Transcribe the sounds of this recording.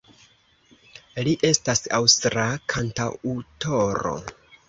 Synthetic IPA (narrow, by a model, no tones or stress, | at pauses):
liʔe̞stasawstɾakʰantautʰo̞ɾo̞̰